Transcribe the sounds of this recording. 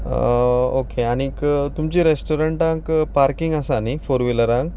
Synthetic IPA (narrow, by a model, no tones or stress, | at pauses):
okeaɽ̃ikt̪umt͡ɕiːɾesʈoɾəɳʈãkpaɾkiŋɡəsanifoɾʋiləɾãŋk